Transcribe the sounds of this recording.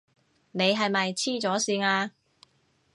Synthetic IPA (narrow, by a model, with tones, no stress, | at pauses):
ne˨˧jɦɐ˨jmɐ˨jt͡sʰiː˥t͡sɔː˨˥siː˧naː˧